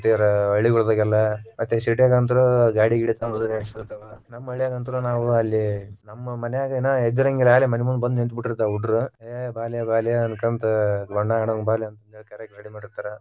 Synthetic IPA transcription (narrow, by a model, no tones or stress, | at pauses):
t̪ːeɐɾɐɐɭiɡuɭd̪ɐɡɛlːɐmɐt̪ːesiʈijaːɡant̪ɐɾuɡaːɽiɡiɽit̪anud̪ɐleɐɽst̪ɐt̪ːɐʋɐnɐmːɐɐɭijaːɡɐnt̪̬ɐɾunaːʋuɐlːinɐmːɐmɐnejaːɡɐinaed̪uɾɐŋɡilaːlemɐnemund̪bɐnd̪ent̪biʈːiɾt̪ːauɖɾuebaːlijɐbaːlijɐɐnkɐnt̪ɐɡɔɳɖaːɳɐbaːlijɐnt̪ɐnd̪ekɐɾeɡaːɽimaːɽiɾt̪aːɾɐ